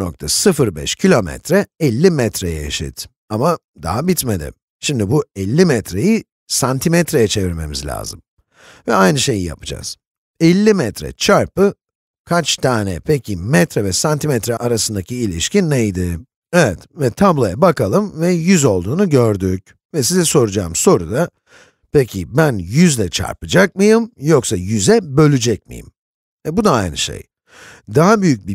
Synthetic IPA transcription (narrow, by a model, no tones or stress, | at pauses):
no̰k̚t̪ʰasɯfɯɾbɛ̰ʃcʰilʲo̞mɛ̰t̪ɾɛɛlʲːimɛt̪ɾejɛeʃḭt̪ | ama | d̪a̰ɦabit̪med̪ɪ̰m | ʃimd̪ibuɛlʲːimɛt̪ɾeji | sant̪ʰimɛt̪ɾe̞jɛt͡ʃʰe̞viɾme̞̰mizlʲa̰ːzɯm | vɛajnɯʃe̞jija̰pɯd͡ʒa̰z̥ | ɛlʲːimɛt̪ɾɛ̰t͡ʃʰaɾpɯ | kʰat͡ʃt̪ʰaːnɛpʰɛcʰimɛt̪ɾɛvɛsant̪ʰimɛt̪ɾɛʔaɾasɯnd̪acʰiːlʲḭʃcinːejd̪ɪ | ɛvɛt̪vɛt̪ʰablˠajabakalˠɯmvɛjyzo̞lˠd̪uːnuɟø̞ɾd̪yc | vɛsizɛso̞ɾud͡ʒa̰ːmso̞ɾud̪a | pecʰḭbænjyzlʲɛt͡ʃʰa̰ɾpɯd͡ʒak̚mɯjɯmjoksajyzɛbø̞lʲyd͡ʒɛc̚mḭjɯ̰m | ɛbud̪aajnɯ̰ʃḛj | d̪aɦabyjyc̚bi